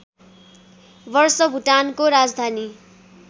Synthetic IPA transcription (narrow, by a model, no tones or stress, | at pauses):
bʌrsʌbʱuʈankoɾad͡zd̪ʱani